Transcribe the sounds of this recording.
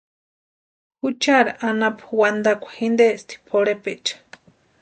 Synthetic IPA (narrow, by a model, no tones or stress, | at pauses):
hut͡ʃaɾaʔanapwand̪akʷḁhind̪est̪i̥pʰoɽepet͡ʃḁ